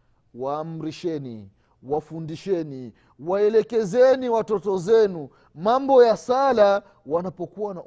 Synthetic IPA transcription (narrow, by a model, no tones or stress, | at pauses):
waːm̩ɾiʃɛni | wafundiʃɛni | waɛlɛkɛzɛniwatɔtɔzɛnu | mambɔjasala | wanapɔkuwana